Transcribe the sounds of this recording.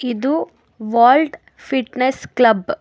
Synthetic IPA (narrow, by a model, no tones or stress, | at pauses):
id̪u | ʋaːlɖ | fiʈnesklɐb